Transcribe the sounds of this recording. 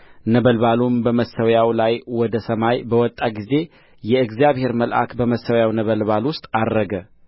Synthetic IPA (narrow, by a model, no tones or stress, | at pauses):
nəβəlbalumbəməsəwjawlajwɔd̪əsəmajbəwɔt̪ʼːaɡize̞ | jɛɨɡzjaβhe̞ɾməlʔa̰kbəməsːəwjawnəβəlβalwʊst̪ʼad̪ɾəɡə